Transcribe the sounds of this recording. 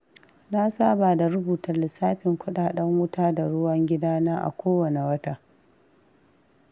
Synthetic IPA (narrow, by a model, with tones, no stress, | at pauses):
na˦saː˦baː˨da˨ɾʊ˦buː˨tɐ˨rlɪ˨saː˦ɸɪ˨ŋkʷʊ˦ɗaː˦ɗɐ˦ŋwʊ˦taː˦da˨ɽʊ˦wɐ˦ŋɡʲɪ˦daː˦naː˦ʔa̰˨kʷoː˦wɐ˨ne˨wɐ˦taː˦